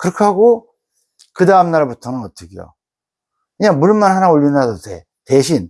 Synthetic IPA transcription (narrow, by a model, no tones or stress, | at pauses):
kɯɾʌkʰehaɡo | kɯdaɯmnaɾaputʰʌnɯnɡʌt̚t͈ʰɯɡijo̰ | kɯɲamuɭmanɦanaoʎːinɾadotḛ | te̞ɕʰin